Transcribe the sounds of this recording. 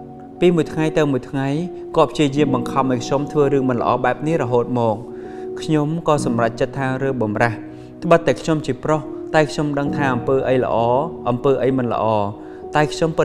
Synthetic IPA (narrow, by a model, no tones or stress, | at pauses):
piːmuəjt̪ʰŋajt̪ɨwmuəjt̪ʰŋaj | koɔːpʰjiəjiəmɓɑŋkʰɑmʔaɔjkʰɲomt̪ʰʋəːɾɨːmɨnlə̆ʔɑ̰ːɓaɛp̚nihrɔɦoːt̪̚mɔːk̚ | kʰɲomkɑːsɑmrac̚t͡ɕət̪ʰːaːɾɨːɓɑmrah | t̪ʰə̆ɓət̪ːaɛkʰɲomt͡ɕiəproht̪aɛkʰɲomɗəŋt̪ʰaːʔɑmpəːʔəjlə̰̆ʔɑːʔɑmpəːʔəjmɨnlə̰̆ʔɑː | t̪aɛkʰɲompɨ